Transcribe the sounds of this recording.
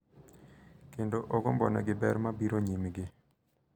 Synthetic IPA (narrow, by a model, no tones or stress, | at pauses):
kendoʔɔɡɔmbɔnɛ̰ɡɪbɛɾmabiɾoɲimɡɪ